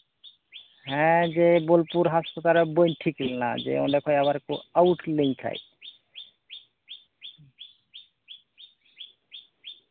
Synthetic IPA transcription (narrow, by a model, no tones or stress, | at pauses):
ɦɛ̃d͡ʒebolpuɾɦaspat̪alebojnʈʰiklna̰d͡ʒḛõ̰nd̪ekʰɔjaβaɾkoawʈlejkʰa̰j